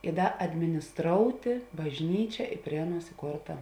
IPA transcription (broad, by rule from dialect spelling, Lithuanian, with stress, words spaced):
ɪ ˈdɐ ɐdʲmʲɪnʲɪsˈtroːʊtʲeː bɐʒʲˈnʲiːt͡ʃʲɛ ɪ ˈpʲrʲiɛ ɐˌnuɔs ɪˈkoːrtɐ